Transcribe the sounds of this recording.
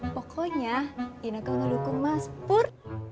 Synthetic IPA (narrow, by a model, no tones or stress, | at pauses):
pɔkʰɔɲainakaŋəlukʊŋmaspʊr